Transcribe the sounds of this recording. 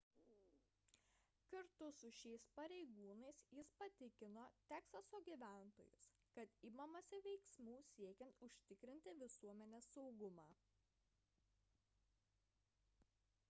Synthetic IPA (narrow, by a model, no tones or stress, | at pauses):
kɐɾt̪ʊsʊʃʲɛɪspɐɾʲɛɪɡuːnɐɪsjɪspɐt̪ʲɪkʲɪnoːt̪ʲæːksɐsoːɡʲiːʋʲæˑnt̪o̰ːjʊ̰s | kɐt̪iːmɐmɐsʲɪʋʲɛɪksmuːsʲiɛkʲɛnt̪ʊʃʲt̪ʲɪkɾʲɪnʲt̪ʲɪʋʲɪsuɔmʲɛnʲeːsːɒʊɡʊmɑː